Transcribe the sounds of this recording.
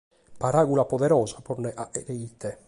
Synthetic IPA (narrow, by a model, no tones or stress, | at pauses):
paɾaɣulapoðɛɾɔːzaporneʔaʔḛɾeit̪ʰe